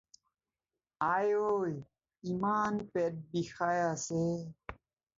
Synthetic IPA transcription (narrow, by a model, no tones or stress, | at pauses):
aːjoj | imaːnpet̚bixajase